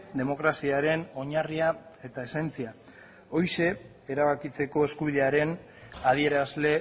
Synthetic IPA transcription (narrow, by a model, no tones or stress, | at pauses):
d̪e̞mo̞kɾasiaɾe̞no̞ɲariae̞t̪ae̞se̞nt͡sia | o̞jʃe̞ | eɾaβakit͡se̞ko̞e̞skuβiðe̞aɾe̞n | aðie̞ɾazle̞